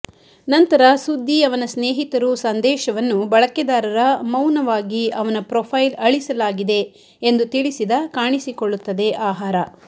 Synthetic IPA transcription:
nɐnt̪ɐɾɐsud̪ʱːiɐʋɐnɐsneːɦit̪ɐɾusɐnd̪ɛːʃɐʋɐnːubɐɭɐkɛd̪aːɾɐɾɐmɐwnɐʋaːɡiɐʋɐnɐpɾopʰɐjlɐɭisɐlaːɡid̪e̞ | end̪ut̪iɭisid̪ɐkaːɳisikoɭːut̪ːɐd̪eʔaːɦaːɾɐ

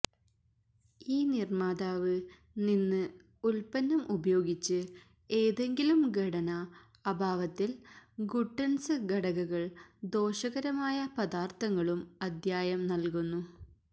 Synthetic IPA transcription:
iːnirmaːd̪aːʋɨ | ninːɨ | ulpɐnːɐmʔubɐjo̞ːɡit͡ɕːɨ | e̞ːðe̞ŋɡilumɡʱɐɽɐnɐː | bʱaːʋɐt̪ːilɡuʈːɐnsɨɡɐɽɐɣɐɣɐɭd̪o̞ːʂɐɣɐɾɐmaːjɐpɐd̪aːrt̪ʰɐŋːɐɭumɐd̪ʱjaːjɐmnɐlkunːu

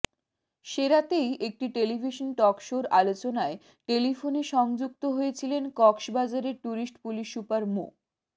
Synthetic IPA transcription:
ʃeɾat̪ejek̚ʈiʈelibʱiʃonʈɔkʃoɾalot͡ɕonae | ʈelifoneʃɔŋd͡ʑuk̚t̪oɦojet͡ɕʰilenkɔkʃbad͡ʑaɾeɾʈuɾisʈpuliʃːupaɾmo̰

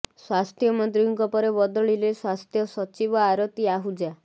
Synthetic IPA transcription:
swast̪ʰjɔmɔnt̪ɾiŋkɔpɔɾebɔd̪ɔɭileswast̪ʰjɔsɔt͡ʃibɔaɾɔt̪iaɦud͡ʒa

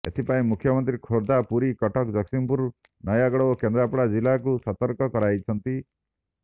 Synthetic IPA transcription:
ḛt̪ʰipaĩmukʰːjɔmɔnt̪ɾikʰoɾd̪apuɾikɔʈʰɔkd͡ʒɔksimpuɾ | nɔjaɡɔɽɔokend̪ɾapɽad͡ʒilakusɔt̪ɔɾkɔkɔɾajt͡ʃʰɔnt̪i

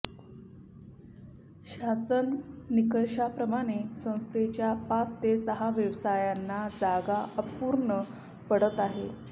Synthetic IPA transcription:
ɕasənnikəɕapɾəmaɽ̃esə̃w̃st̪ʰet͡ɕjapat͡st̪esəɦaʋjəʋsajanːad͡zaɡaəpuɾɳə | pəɽət̪aɦe

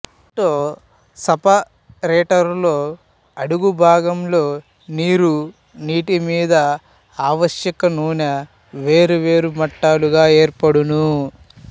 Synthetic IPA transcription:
iɳʈoː | sɐpɐ | ɾeːʈɐɾlo̞ː | ɐɽuɡubʱaːɡɐmlo̞ː | niːɾu | niːʈimiːd̪ɐ | aːʋɐʃjɐkɐnuːnɐ | ʋe̞ːɾuʋeːɾumɐʈːaːluɡaːe̞ːɾpɐɽunu

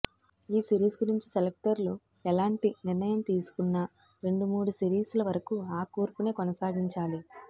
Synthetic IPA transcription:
iːsiɾiːsɡuɾiɲt͡ʃiselek̚ʈɐɾlu | ɛlaːɳʈiniɾnɐjɐmt̪iːsu̥kunːɐ | ɾe̞ɳɖumuːɽusiɾiːslɐʋɐɾɐkuaːkuːɾpune̞ːkonɐsaːɡiɲt͡ʃaːli

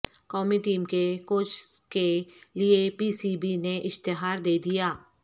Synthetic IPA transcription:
kɔːmiʈiːmkekoːt͡ʃkeliepiːsibineʔɪʃt̪ɪɦaːɾd̪eːd̪ijaː

